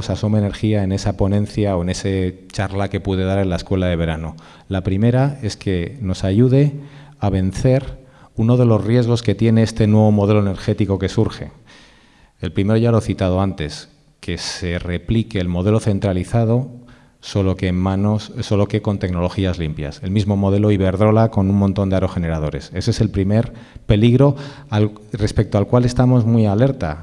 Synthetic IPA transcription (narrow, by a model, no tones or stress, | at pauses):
sasomeene̞ɾxiae̞ne̞sapo̞nẽ̞nθjao̞e̞ne̞se | t͡ʃaɾlake̞puðe̞ð̞aɾe̞nlae̞skwe̞laðe̞β̞e̞ɾano̞ | lapɾime̞ɾae̞ske̞no̞saʝuð̞e̞aβe̞n̟θe̞ɾ | uno̞ð̞e̞lo̞zrje̞zɣ̞o̞ske̞t̪je̞ne̞est̪e̞nwe̞β̞o̞mo̞ð̞e̞lo̞eneɾxe̞t̪iko̞ke̞suɾxe̞ | elpɾime̞ɾo̞ʝalo̞eθit̪að̞o̞ant̪e̞s | ke̞se̞re̞plike̞ːlmo̞ð̞e̞lo̞θe̞nt̪ɾaliθað̞o̞ | solokemanosso̞lo̞ke̞ko̞nt̪e̞kno̞lo̞xiazlimpja̰se̞lmizmo̞mo̞ð̞e̞lo̞iβ̞e̞ɾðɾo̞lako̞nuŋmõnt̪ond̪eaɾo̞xe̞ne̞ɾaðo̞ɾe̞̰se̞sese̞lpɾime̞ɾ | pe̞liɣ̞ɾo̞ | a | re̞spe̞k̚t̪oalkwale̞st̪amo̞zmwiale̞ɾt̪a